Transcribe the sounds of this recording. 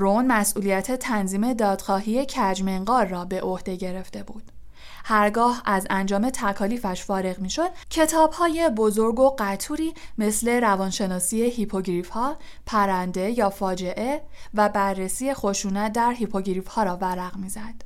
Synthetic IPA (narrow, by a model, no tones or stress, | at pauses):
ɾonmæsʔuːlijæt̪ʰe̞t̪ʰænziːme̞d̪ɒːd̪xɒːɦije̞cʰæd͡ʒmeŋɢɒːɾːɒːbe̞ʔohd̪e̞ɟe̞ɾe̞ft̪e̞buːd̪̥ | hæɾɡɒːhæzænd͡ʒɒːme̞t̪ʰækʰɒːliːfæʃfɒːɾe̞ɣmiːʃo̞d̪̥̚cʰe̞t̪ʰɒːb̥hɒːje̞bo̞zo̞ɾɡo̞ɢæt̪ʰuːɾiːme̞sle̞ɾævɒnʃe̞nɒːsiehipʰo̞ɟɾiːfhɒː | pʰæɾænd̪e̞jɒːfɒːd͡ʒe̞ʔe̞væbærːesiːje̞xo̞ʃuːnæt̪̚ʰd̪æɾɦipʰo̞ɡɾiːfhɒːɾɒːvæɾæɣmiːzæd̪̥